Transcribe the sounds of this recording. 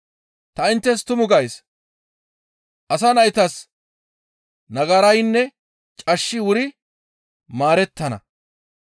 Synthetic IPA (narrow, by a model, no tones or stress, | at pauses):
t̪ɐɪnt̪ːɛs̬t̪ʊmʊɡɐjs | ʔɐsɐnɐjt̪ɐs | nɐɡɐɾɐjnːɛ | t͡ʃʼɐʃːɪwʊɾɪ | maːɾɛt̪ːɐnɐ̰